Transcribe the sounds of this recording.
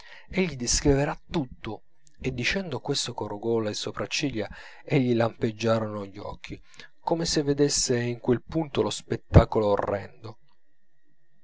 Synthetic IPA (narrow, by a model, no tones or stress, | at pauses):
eʎːid̪iskɾiveɾat̪ːut̪ːo | ed̪ːit͡ʃɛnd̪okwest̪okoruɡɔːlasopɾat͡ʃːilja | eʎːilamped͡ʒːaːɾonoʎːɔ̰k̟ʰːi | komesevːed̪esːeiŋkwelpunt̪olospet̪ːaːkoloːrːɛnd̪o